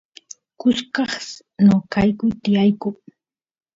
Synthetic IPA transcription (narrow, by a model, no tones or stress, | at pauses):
kʊskɑχs | nokajkʊjt̪ɪjajkʊŋ